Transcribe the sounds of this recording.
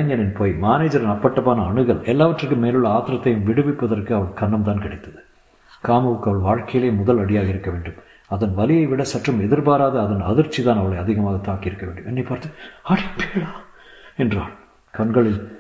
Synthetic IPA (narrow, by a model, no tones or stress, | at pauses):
ɐɲɐnɪnpoːjmaːneːd͡ʒɐɾɪnɐpːɐʈːɐpaːnɐːɳɯɣɐɭʔɛlːaːʋɐʈrɯk̬ːɯmːeːlɯɭːɐaːt̪ɪɾɐt̪ːɐjɯmʋɪɽɯʋɪpːɐðɐrkɯɐʋɐɭkɐɳːɐmt̪aːnkɪɽɪt̪ːɐðɯ | kaːmɐʋɯkːɐʋɐɭʋaːɻkɐjɪleːmʊðɐlɐɽɪjaːɣɐɪɾɯkːɐʋeːɳɖɯm | ɐðɐnʋɐlɪjɐɪʋɪɽɐsɐʈrɐmɛðɪɾbaːɾaːðɐːðɐnɐ̰ðɪɾt͡ʃːit̪aːnɐʋɐɭɐɪɐðɪɣɐmaːɣɐt̪ːaːkːiɪɾɯkːɐʋeːɳɖɯmɛnːɐɪpːaːɾt̪ɯɐɽɐpeːɭaː | ɛndraːɭ | kɐɳɡɐɭɪl